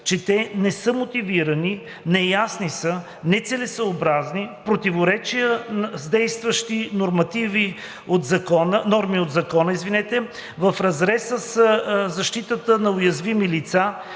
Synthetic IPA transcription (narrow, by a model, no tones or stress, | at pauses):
t͡ʃɛt̪ɛnɛsɤmot̪iviɾəni | nɛjasnisə | nɛt̪sɛlɛsəobɾaznipɾot̪ivoɾɛt͡ʃijəzd̪ɛjst̪vəʃt̪inoɾmɐt̪ivi | ot̪zɐkɔnənɔɾmiod̪zɐkɔnəizvinɛt̪ɛ | vəfɾɐzɾɛsəszɐʃt̪it̪ət̪ənɐʊjɐzvimilit̪sa